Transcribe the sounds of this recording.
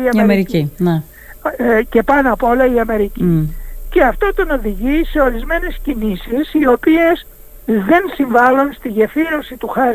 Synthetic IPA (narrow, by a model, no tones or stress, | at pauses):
iɐɐmeɾiine | ce̞pɐnɐpo̞lɐiɐme̞ɾicice̞ɐft̪o̞t̪o̞no̞ðiʝise̞o̞ɾizme̞ne̞scinisisio̞pie̞s | ðe̞nsiɱvɐlunst̪iʝefiɾo̞sit̪uxɐ